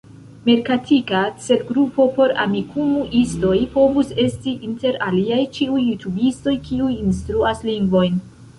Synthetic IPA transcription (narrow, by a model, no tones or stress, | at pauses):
me̞ɾkatʰikat͡se̞lɡɾupo̞po̞ɾa̰mikʰumuʔisto̞jpo̞vuse̞stiʔinte̞ɾaliajt͡ʃiujːutʰubisto̞jkʰiujinstɾuasliŋɡvo̞jn